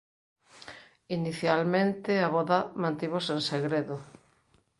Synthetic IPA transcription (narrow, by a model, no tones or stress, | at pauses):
iniθjalmẽnt̪eaβɔðamãnt̪iβosenseɣɾeðo